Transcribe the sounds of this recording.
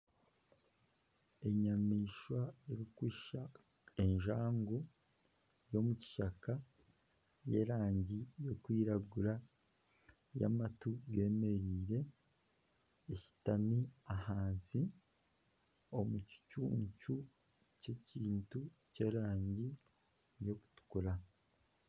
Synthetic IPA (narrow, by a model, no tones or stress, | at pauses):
e̞ɲamiːʃwaeɾikwiːʃa | e̞nʒaːŋɡo | jo̞muci̥ʃaka | je̞̰ːɾaːɲɟijo̞kwiːɾaɡuɾa | ja̰matuɡe̞ːme̞ɾiːɾe̞ | ci̥taniahaːnsi | o̞muci̥cṵːɲcu | ce̞ciːntu | ce̞ːɾaːɲɟi | jo̞ku̥tu̥kuɾa